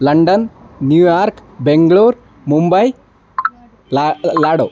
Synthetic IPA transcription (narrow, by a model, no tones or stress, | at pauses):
ləɳɖənːjujaɾkbeŋɡɭoɾ | mumbəj | laɽo